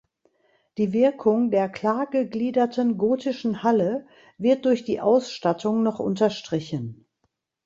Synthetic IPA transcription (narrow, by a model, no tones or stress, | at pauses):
d̥iːvɪɐkʰʊŋdeːɐkl̥aːɡəɡliːdɐtənɡoːtʰɪʃn̩halə | vɪɐt̚d̥ʊɐçd̥iːʔaʊsʃtatʰʊŋnɔχʔʊ̰ntɐʃtʁ̥ɪçən